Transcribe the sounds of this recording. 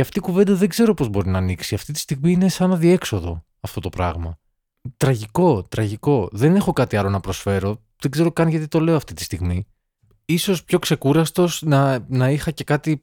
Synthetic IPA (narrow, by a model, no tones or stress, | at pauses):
ɐft̪ikuve̞nd̪ɐðe̞ɡze̞ɾo̞po̞zbo̞ɾinɐːniksiɐft̪it̪i̥st̪iɣmiine̞sɐnɐðie̞kso̞ðo̞̰ | ɐft̪o̞t̪o̞pɾɐ̰ɣmɐ | t̪ɾɐʝiko̞t̪ɾɐʝiko̞ðe̞ne̞xo̞kɐt̪iɐlo̞nɐpɾo̞sfe̞ɾo̞ | ðeɡze̞ɾo̞kɐnʝɐt̪it̪o̞le̞oɐft̪it̪i̥st̪iɣmi | iso̞spço̞kse̞kuɾɐst̪o̞snɐnɐixɐce̞kɐt̪i